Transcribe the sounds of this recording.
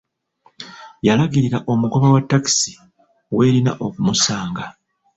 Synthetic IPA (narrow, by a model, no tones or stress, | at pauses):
jalaɡiɾiɾaʔo̞muɡo̞βawatːaki̥si̥ | we̞ːɾina̰ʔo̞kumusaːŋɡa